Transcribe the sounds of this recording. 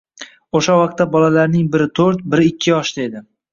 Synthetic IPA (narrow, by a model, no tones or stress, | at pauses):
oʃawɑq̚t̪ːabɒlalaɾnɪŋbɪɾɪt̪ʰoɾt̪̚bɪɾɪkʲʰːɪjɒʃd̪ae̞d̪ɪ